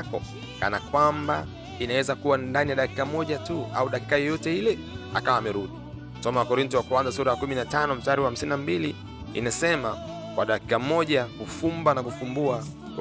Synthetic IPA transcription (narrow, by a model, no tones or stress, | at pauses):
kɔ̰ | ka̰nakwamba | inawɛzakuwandanijaɗaki̥kamɔʄatua̰uɗaki̥kajɔjɔtɛilɛ | a̰kawaːmɛɾuɗi | m̩sɔmawakɔɾintɔwakuanzasuɾajakuminatanɔm̩staɾiwaham̩sininambili | ḭnasɛma | kwaɗaki̥kamɔʄakufumbanakufumbua | k